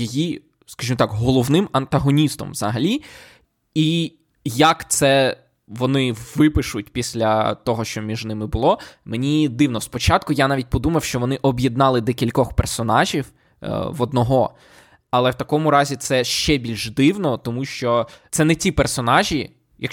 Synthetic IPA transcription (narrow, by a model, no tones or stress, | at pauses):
jeji | skɐʒimɔt̪ɑkɦɔlˠɔʋnɪmɐnt̪ɐɦɔnʲist̪ɔ̰mʋzɐɦɐlʲi | i | jɐkt̪sɛ | ʋɔnɪʋɪpɪʃʊt̚ʲpʲisʲlʲɐt̪ɔɦɔʃt͡ʃɔmʲiʒnɪmɪbʊlˠɔmenʲid̪ɪwnɔspɔt͡ʃɑt̪̚kʊjanɑʋʲit̚ʲpɔd̪umɐwʃt͡ʃɔʋɔnɪʔɔbjed̪nɑlˠɪd̪ɛkʲilʲkɔxpɛrsɔnɑʒʲiw | ʋɔd̪nɔɦɔ | ɐlˠɛwt̪ɐkɔmʊɾɑzʲit̪sɛʃt͡ʃɛbʲilʲʒd̪ɪwnɔt̪ɔmuʃt͡ʃɔt̪sɛnɛtʲipɛrsɔnɑʒʲi | jɐ̰k